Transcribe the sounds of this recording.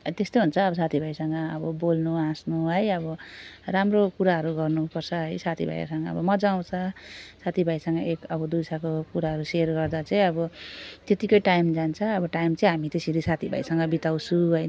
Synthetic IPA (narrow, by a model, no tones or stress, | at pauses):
ʌt̪est̪oɦunt͡sʰʌːbʌsat̪ʰibʱajsʌŋɡʌːbʌbolnuãsnuɦʌjʌbʌramrokuɾaɦʌɾuɡʌrnupʌrt͡sʰʌɦʌjsat̪ʰibʱa̰j̰sʌŋɡʌʌ̰bʌmʌd͡zaw̃t͡sʰʌsat̪ʰibʱajsʌŋɡʌʔekʌbʌd̪ujsʰakokuɾaɦʌɾuserɡʌrd̪at͡sʌĩʌbʌt̪et̪ikʌjʈajmd͡zant͡sʰʌːbʌʈajmt͡sʌĩɦamit̪esiɾisat̪ʰibʱa̰jsʌŋɡʌbit̪aw̃t͡sʰũɦʌj